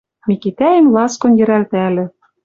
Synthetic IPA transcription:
mʲikit̪æjɘ̆mlˠɑskŏnjɘ̆ɾælt̪ælʲɘ̆

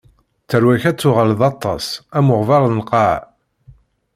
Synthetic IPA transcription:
t͡sːəɾwæçæt͡sːʊʁalðɑt̪ˤːɑ̰sæmʊʁvɑɾˤnqɑʕ

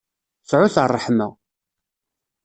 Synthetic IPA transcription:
sʕʊθərˤːəħmæ̰

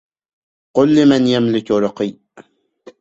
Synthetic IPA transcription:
qʊlːɪmanjamlɪkɾɑqiː

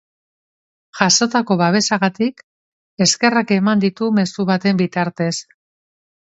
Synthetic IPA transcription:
ʝaso̞t̪ako̞βaβ̞e̞saɣat̪ik | e̞ske̞rake̞mand̪it̪ume̞suβat̪e̞mbit̪aɾt̪e̞s

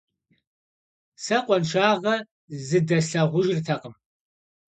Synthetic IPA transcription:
sɐqʷʼɔnʃaːʁɐ | zɨdɐɬɐʁʷʊʒɪrtʰɐqəm

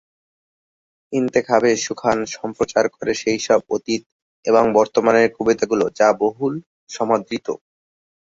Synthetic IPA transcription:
int̪ekʰabeʃukʰanʃɔmpɾot͡ɕaɾkoɾeʃejʃɔb̚ot̪it̪̚ | eboŋbɔɾt̪omaneɾkubet̪aɡulod͡ʑaboɦul | ʃɔmod̪ɾit̪o̰

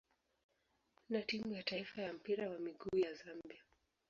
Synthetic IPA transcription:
natimujataifajam̩piɾawamiɡuːjazambia

